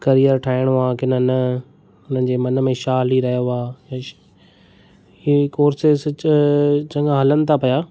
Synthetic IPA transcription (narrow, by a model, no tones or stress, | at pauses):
kɐɾijəɾʈʰaːɪɽ̃ʋãːkɪnən | ʊnə̃n̆d͡ʑeːmɐnə̆mẽʃaːliɾɐɦijoaːjã | ikoːɾses | t͡ɕɐ̃ŋɡãɦɐlənɪ̆t̪ʰapɐjaː